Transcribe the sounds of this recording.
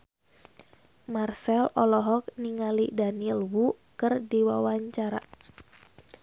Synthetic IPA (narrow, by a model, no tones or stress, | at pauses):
marsɛlɔlɔɦɔk̚niŋalidaniɛlwu | kɨrdiwawaɲt͡ʃaɾa̰